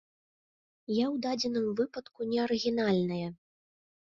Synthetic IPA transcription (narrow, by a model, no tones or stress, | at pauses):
jawd̪ad͡zʲɛnɨmvɨpɐt̪kunʲɛɐɾɨɣʲinalʲnɐjɐ